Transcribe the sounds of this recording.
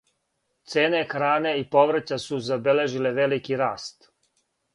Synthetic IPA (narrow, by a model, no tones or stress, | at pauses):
t̪seːnexɾaːneipo̞ʋɾt͡ɕasuzabele̞ʒile̞ʋe̞likiɾaːst̪